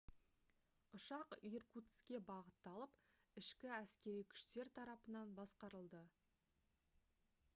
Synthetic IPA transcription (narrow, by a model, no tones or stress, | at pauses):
ʊʃɑqirkut̪skʲe̞bɑʁət̪ːɑlˠəpɪʃkʲɪæskʲe̞ɾijkʲʰʏ̥ʃt̪e̞ɾt̪ʰɑɾɑpənɑnbɑsqɑɾəlˠd̪ə